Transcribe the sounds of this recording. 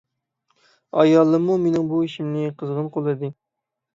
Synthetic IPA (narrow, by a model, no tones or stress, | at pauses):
ɑ̰jɑlˠːɨmːumenɪŋbuiʃimnɪqʰəzʁənqʰolˠɨd̪ɨ